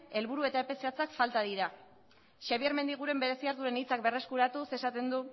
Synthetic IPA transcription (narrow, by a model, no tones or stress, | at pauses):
e̞lβuɾue̞t̪aepe̞seat͡sakfalt̪aðiɾa | ʃaβieɾme̞nd̪iɣ̞uɾe̞mbe̞ɾe̞siaɾðuɾe̞nit͡sak̚be̞re̞skuɾat̪use̞sat̪e̞nd̪u